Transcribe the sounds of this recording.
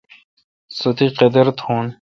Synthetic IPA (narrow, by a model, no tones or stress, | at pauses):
sot̪ʰiqed̪eɾt̪hũːn